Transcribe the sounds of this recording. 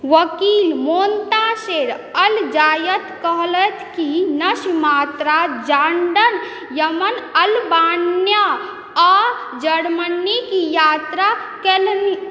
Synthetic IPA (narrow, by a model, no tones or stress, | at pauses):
ʋəkilmoːnt̪aseɾ | əld͡ʒaːjət̪kəɦlət̪ʰkinəʃmat̪ɾad͡ʒaɳɖən | jəmənəlbanjə | ɔɾ | d͡ʒəɽmənikijaːt̪ɾakelni